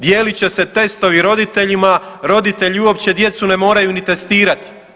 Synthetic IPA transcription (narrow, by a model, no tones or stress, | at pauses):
d̪je̞ːlit͡ɕe̞se̞t̪e̞st̪o̞ʋiɾo̞d̪it̪e̞ʎima | ɾo̞d̪it̪e̞ʎiuo̞pt͡ɕe̞d̪je̞t̪sune̞mo̞ːɾajunit̪e̞st̪iːɾat̪i̥